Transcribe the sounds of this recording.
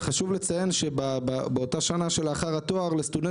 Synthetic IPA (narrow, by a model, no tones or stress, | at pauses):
χaʃuvlet͡saje̞nʃebababeo̞taʃanaʃe̞laχaʁato̞aʁlest̪ude